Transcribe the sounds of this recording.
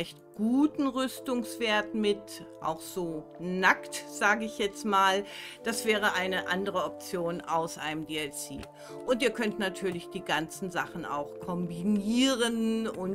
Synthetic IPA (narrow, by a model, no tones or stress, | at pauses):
ɛçtɡ̥uːtn̩ʁʏstʊŋsv̥eːɐt̩mɪtʔa̰ʊxz̥oːnaktz̥aːɡəɪçjɛt͡stmaːld̥asv̥ɛːʁ̞əʔaɪnəʔandəʁ̞əɔp̚t͡sjoːnʔaʊsʔa̰ɪnəmdeːɛlsḭː | ʔʊntiːɐkʰœntnatʰyːɐlɪçd̥iːɡant͡sn̩zaχn̩a̰ʊxkʰɔmbiniːʁənʊn